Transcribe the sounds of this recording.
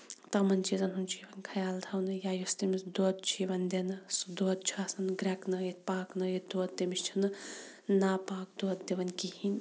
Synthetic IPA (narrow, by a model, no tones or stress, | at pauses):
t̪ɐmɐnt͡ʃizɐnɦunt͡ʃʰiʋɐnkʰɐjaːlt̪ʰɐwnɨjaːjust̪imisd̪oːt̪̚t͡ʃʰiʋɐnd̪ʲenɨsd̪oːt̪̚t͡ʃʰaːsɐnɡɾʲɐknɐjit̪̚paːknɐjit̪d̪oːt̪̚d̪emist͡ʃʰinɨ | naːpaːk̚d̪oːt̪d̪eʋɐnʲkihinʲ